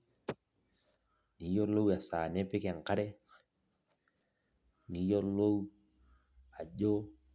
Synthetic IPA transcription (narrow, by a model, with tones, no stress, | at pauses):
ni˨˦jo˦lo˦wa˨sa˨nɛ˦pɪ˦ka˨ŋ˨ka˦ɾɛ˦ | ni˨˦jo˦lo˦w | a˨ʄo˦